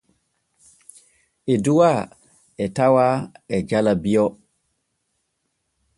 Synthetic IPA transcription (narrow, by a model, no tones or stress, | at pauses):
ʔeduwa | ɛtawaɛd͡ʒalabiɔ